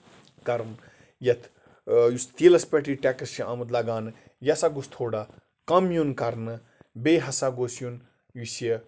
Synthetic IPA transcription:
kɐɾɐn | jɐt̪ʰ | just̪iːlɐspɐʈiʈʲaːkɐsiʔamɐt̪lɐɡaːnɨ | jɐsaɡust̪ʰoːɽa | kɐmjunkɐɾnɨ | beːɦɐsaɡosjun | jusjɐ

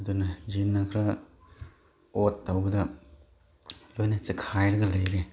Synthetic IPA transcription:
ɐdunɐjinːɐkʰɾɐ | otːɐwbɐdɐ | lojnɐt͡ʃɐkʰajɾɐɡɐlɐjɾe

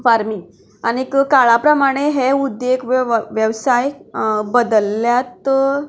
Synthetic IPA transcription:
faɾmi | anikkaɭapɾəmaɽ̃eɦeud̪jekʋʋjəʋsajbəd̪əljat̪

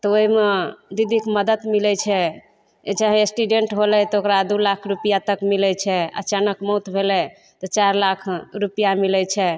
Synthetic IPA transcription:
t̪ɔoɦimed̪id̪ʱikməd̪ət̪milɛt͡ʃʰɛ | et͡ʃaɦɛ̃esʈuɖeɳʈɦolɛt̪ɔokɾad̪ulakʰɾupijat̪əkmilɛt͡ʃʰɛə̰t͡ʃanəkmɔut̪bʱelɛ | t̪ɔt͡ʃaɾlakʰɾupijamilɛt͡ʃʰɛ

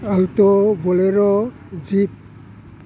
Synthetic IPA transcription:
altɔbɔleɾɔ | zip̚

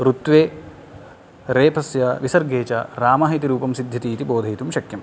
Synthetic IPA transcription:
ɾut̪ʋeː | ɾeːpʰɐsjɐʋisɐɾɡeːt͡ʃɐɾaːmɐːɦit̪iɾuːpɐmsid̪ʱːɐt̪iːt̪iboːd̪ʱɐit̪umʃɐkjɐm

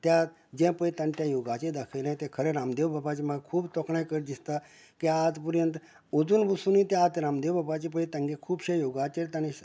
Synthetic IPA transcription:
t̪ja | d͡ʒẽpəit̪ɐnʈjajoːɡaːt͡ʃed̪ɐkʰel̃ːt̪ekʰəɾeɾaːmd̪eːʋbabat͡ʃimãkʰuːbt̪ɔkʰɳakəɾd̪ist̪a | kiaːt̪puɾjənt̪ | ud͡zunbusunĩt̪aːt̪ɾaːmd̪eːʋbɐbaːt͡ʃip̬əit̪ɐ̃ŋɡekʰuːbʃejoːɡaːt͡ʃeɾt̪ɐni

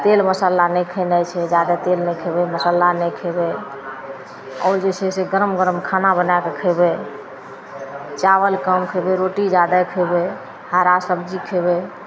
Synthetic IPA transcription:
t̪elməsalanɛkʰənəjt͡ʃʰɛd͡ʒad̪at̪elnɛkʰebɛməsalanɛkʰəbɛ | ɔ̰ːɾd͡ʒet͡ʃʰɛseɡəɾəmɡəɾəmkʰanabənakekʰəɪbɛ | t͡ʃawəlkəmkʰəbɛɾoʈid͡ʒad̪əkʰəɪbɛ | haɾasəbd͡ʒikʰəbɛ

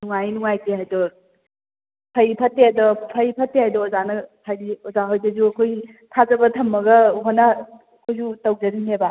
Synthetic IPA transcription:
nuŋajnuŋajteɦajdɔɾ | pʰɐjpʰɐtːeadɔpʰɐjpʰɐtːehajdɔɔzanɐpʰajiɔzaɦojdɐzuɐkʰoj | tʰazɐbɐtʰɐmːɐɡɐɦonɐ | kʰojzutɐwd͡ʒɐɾimeba

